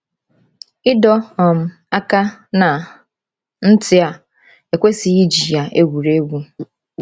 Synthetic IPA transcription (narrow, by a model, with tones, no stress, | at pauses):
ɪ˦dɔ˦ɔ˨m̩˦ | a˦ka˦na˨ | n̩˦tɪ˦a˨ | e˨kʷe˦si˨ɣi˦d͡ʒi˨ja˨e˦ɡʷu˨ɾe˦ɡʷu˦